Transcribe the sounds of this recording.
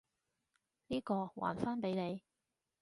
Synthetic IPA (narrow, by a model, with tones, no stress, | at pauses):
niː˥kɔː˧wa̰ː˨˩nfaː˥npe˨˥jne˨˧j